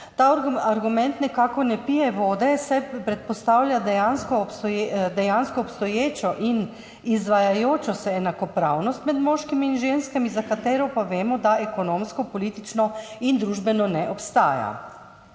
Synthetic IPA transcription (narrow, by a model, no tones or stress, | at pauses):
t̪aaɾɡumɛnt̪nɛkaːkɔnɛpijɛʋoːd̪ɛsɛpɾɛt̪̚pɔst̪awlʲjad̪ɛjanskɔpsjed̪ɛjanskɔːpst̪ɔjeːt͡ʃɔʔin | izʋajajoːt͡ʃɔsɛːnakɔpɾawnɔst̪mɛd̪mɔːʃkimiːnʒenskamizakat̪eːɾɔpaʋeːmɔd̪aɛkɔnoːmskɔpɔliːt̪it͡ʃnɔind̪ɾuːʒbɛnɔnɛʔɔpst̪a̰ːja̰